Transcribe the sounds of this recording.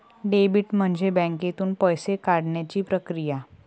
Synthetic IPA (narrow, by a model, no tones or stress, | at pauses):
ɖebiʈm̤əɳd͡ʑebɛ̃ŋket̪uːnpəjsekaɽɳjat͡ɕiːpɾəkɾija